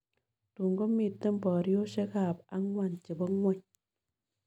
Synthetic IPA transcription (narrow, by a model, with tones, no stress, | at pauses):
tu˨ŋɡo˦mi˦˨tːə˦m˦bɔ˨ɾjo˦ʃe˦ka˨pa˦ŋwa˨nt͡ʃi˨bɔ˦ŋwʷɔ˦ɲ